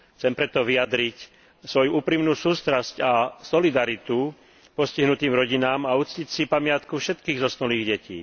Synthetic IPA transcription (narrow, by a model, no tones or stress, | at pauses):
t͡sɛmpɾɛt̪ɔʋijad̪ɾic | sʋɔjuuːpɾimnuːsuːst̪ɾascasɔlid̪aɾit̪u | pɔsciɦnut̪iːmɾɔɟinaːmaut͡scicsipamɪat̪kufʃɛt̪kiːɣzɔsnuliːɣɟɛcḭː